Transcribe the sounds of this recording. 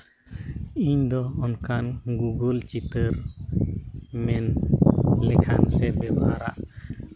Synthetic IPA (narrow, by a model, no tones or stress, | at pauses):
iɲd̪ɔɔnkanɡuɡəlt͡ʃit̪əɾ | mɛn | lɛkʰansɛbɛba̰ɾa̰ʔ